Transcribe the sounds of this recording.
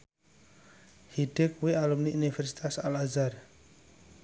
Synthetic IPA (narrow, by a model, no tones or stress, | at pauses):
hid̥ɪk̚wialumniʔunifɛrsi̥t̪asalazar